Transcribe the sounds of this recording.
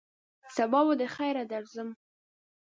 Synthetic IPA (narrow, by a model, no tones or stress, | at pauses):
sabɑwod̪əxajɾad̪aɾzəm